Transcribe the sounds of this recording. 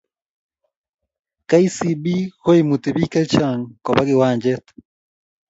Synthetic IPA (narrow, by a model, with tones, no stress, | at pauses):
ka˦i˦si˨bi˦ho˦imu˨te˨βi˦ka˦t͡ʃa˨ŋkɔ˨βa˦ɣe˨waː˨ɲd͡ʒɛ˦tḁ